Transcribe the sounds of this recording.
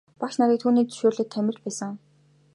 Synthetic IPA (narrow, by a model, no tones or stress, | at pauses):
paʃnaɾʲiːk̚t̪ʰuːniːkt͡sɵ̥ʃoːrɮɘ̆t̪ʰːæmʲɪ̆r̥t͡ɕpæːsə̆ŋ